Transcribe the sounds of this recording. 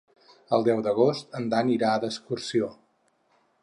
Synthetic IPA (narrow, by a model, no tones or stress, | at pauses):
əlˠd̪ɛwd̪əɣ̞ost̪ənd̪aniɾaəðəskursio